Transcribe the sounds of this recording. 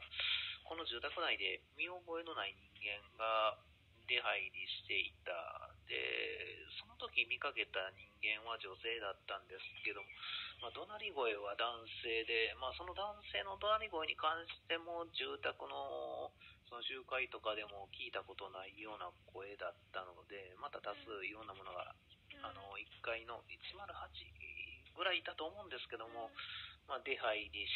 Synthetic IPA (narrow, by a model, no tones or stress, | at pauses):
ko̞no̞ʑɨːt̪akɯ̟naid̪e̞mʲio̞ɡo̞e̞no̞naiɲ̟ĩŋɡẽ̞ŋɡa | ɾe̞ɦaiɾʲiɕi̥t̪e̞it̪a̰d̪e̞̰so̞no̞t̪o̞kʲimʲikake̞t̪aɲ̟ĩŋɡẽ̞ɰ̃βaʑo̞se̞ːd̪at̪ːãnd̪e̞sɨ̥ke̞d̪o̞momad̪o̞naɾʲiɡo̞e̞βad̪ãɰ̃se̞ːd̪e̞maːso̞no̞d̪ãɰ̃se̞ːno̞d̪o̞naɾʲiɡo̞eɲ̟ikãɰ̃ɕi̥t̪e̞mo̞ʑɨːt̪akɯ̟no̞ | so̞noɕɨːkait̪o̞kad̪e̞mo̞kʲiːt̪ako̞t̪o̞naijo̞ːnakʰo̞e̞d̪at̪ːano̞d̪e̞mat̪at̪asɨɾõ̞nːamo̞no̞ɡa̰ | ano̞ikːaino̞it͡ɕimaɾɯ̟hat͡ɕḭɡɯ̟ɾaid̪at̪o̞ːmõ̞ːnd̪e̞sɨ̥ke̞d̪o̞mo̞mad̪ehaidʲi